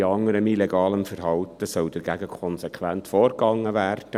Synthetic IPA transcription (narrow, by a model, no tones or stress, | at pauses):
ɑŋːəɾəmileɡɑːləmfəɾɦɑltəsœld̥əɾɡæɡəkʰɔnsekʰʋæntfoːrɡ̥ɑŋːəvæːrd̥ə